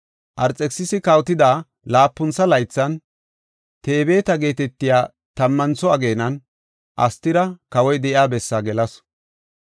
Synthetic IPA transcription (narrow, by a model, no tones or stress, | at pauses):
ʔɐɾt͡sʼɛksɪsɪkɐwt̪ɪd̪aː | laːpːʊnt͡sːɐlɐjt͡sːɐn | t̪eːbe̞ːt̪ɐɡe̞ːt̪ɛt̪ːɪjaː | t̪ɐmːɐnt͡sɔɐɡeːnɐn | ʔɐ̰st̪ːɪɾɐkɐwɔjd̪ɛʔɪaːbɛsːaːɡɛlɐs